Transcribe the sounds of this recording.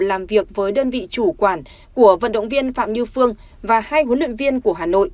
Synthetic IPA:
laː˨˩mvi˨˩ək̚vəː˨˦jɗəː˧nvḭ˧˨t͡ɕu˧˩kwaː˧˩n | ku˧˩əvə̰˧˨nɗə̰˧˨wŋ͡mvi˧ənfa̰ː˧˨mɗi˧əwfɨ˧əŋ | vaː˨˩haː˧jhə˨˦lwḭ˧˨ŋvi˧ənku˧˩əɦaː˨˩no̰˧˨jʔ

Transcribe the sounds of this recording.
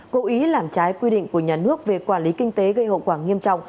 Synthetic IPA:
ko˨˦ʔi˨˦laː˨˩mt͡ɕaː˨˦jkwi˧ɗḭ̈˧˨ŋ̟ku˧˩əɲaː˨˩nɨ˦˥ək̚ve˨˩kwaː˧˩nli˨˦kï˧ŋ̟t̪e˨˦ɣə˧jho̰˧˨kwaː˧˩ŋi˧əmt͡ɕɔ̰˧˨wŋ͡m

